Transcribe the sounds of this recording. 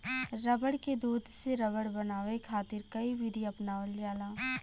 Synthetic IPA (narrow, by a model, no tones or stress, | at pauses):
ɾɐbəɽked̪uːd̪ʱseɾɐbəɽbɐnaːʋekʰaːt̪ɪɾkɐiʋiːɖijoɐpnaːʋəljaːlaː